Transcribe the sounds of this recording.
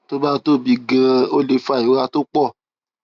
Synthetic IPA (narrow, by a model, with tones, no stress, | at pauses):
to˦ba˦to˦bi˧ɡɛ̃˧o˦le˧fa˦˨i˨˦ɾa˧to˦k͡pɔ˦˨